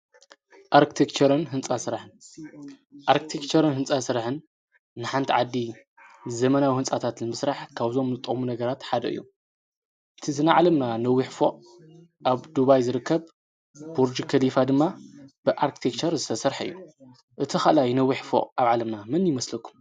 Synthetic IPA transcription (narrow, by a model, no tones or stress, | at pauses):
ʔaɾkʰi̥t̪ʰekt͡ʃʰɐɾɨnɦɨnt͡sʼasɨɾħɨn | ʔaɾkʰit̪ʰekt͡ʃɐɾɨnɦɨnt͡sʼasɨɾħɨnː | ɨħant̪ʰiʕad̪ːi | zɐmɐnawihɨnt͡sʼat̪ʰat̪nɨmɨsɾaħkʰaβzo̞mnɨt̪ʼɨkʼmunɐɡɐɾat̪ħad̪ɐ̰ʔɨ̰jːu | ɨt̪ʰizɨnaʕalɐmnanɐwːiħfoʔ | ʔaβd̪uβajzɨɾɨkʰːɐβ | b̥uɾd͡ʒikʰɐlifad̪ɨmːab̥ɨʔaɾkʰi̥t̪ʰek̚t͡ʃʰɐɾzɨt̪ʰɐsɐɾħɨ̰jːu | ʔɨt̪ʰixalajnɐwːiħfo̰ʔʼaβʕalɐmnamɨnjɪmɐslɐkʰːu̥m